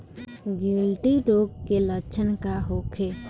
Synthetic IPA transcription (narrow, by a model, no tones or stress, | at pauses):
ɡilʈiʈoɡkelət͡ʃʰənkaɦokʰe